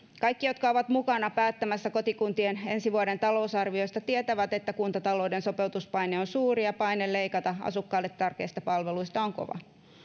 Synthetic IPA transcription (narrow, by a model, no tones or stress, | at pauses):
kɑjkːijo̞t̪kɑoʋɑt̪mukɑnɑpæːt̪ːæmæsːæko̞t̪ikunt̪iene̞nsiʋuode̞nt̪ɑlo̞usɑrʋio̞st̪ɑt̪iet̪æʋæt̪e̞t̪ːækunt̪ɑt̪ɑlo̞udenso̞pe̞ut̪uspɑjneonsuːrijɑpɑinelle̞ikɑt̪ɑɑ̰sukːɑːlːet̪t̪ːɑrke̞̰ːist̪ɑpɑlʋeluist̪ɑoŋko̰ʋɑ̰